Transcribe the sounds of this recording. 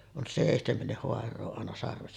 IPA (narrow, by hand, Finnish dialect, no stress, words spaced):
on seˑihtemenːih hoɑrˑoː ɑˑenɑ sɑrʋesːɑ